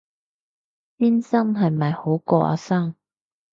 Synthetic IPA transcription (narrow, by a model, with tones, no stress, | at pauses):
piː˥nsɐ˥ŋɦɐ˨jmɐ˨jho˨˥wkɔː˧ʔa̰ː˨˥saː˥ŋ